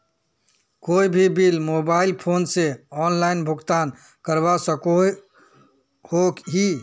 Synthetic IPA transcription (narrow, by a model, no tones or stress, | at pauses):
koibʱibilmobaɪlpʰonseɔnlainbʱʊɡt̪an | kəɾbasəko | hokɦi